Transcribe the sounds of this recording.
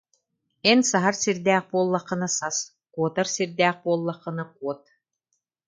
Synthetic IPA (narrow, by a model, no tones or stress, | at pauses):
ɛnsaɦaɾsiɾd̪ɛːχ̚buɔlˠːaχːɯ̆nasas | kuɔt̪aɾsiɾd̪ɛːχ̚buɔlˠːaχːɯ̆naq̚uɔt̪̚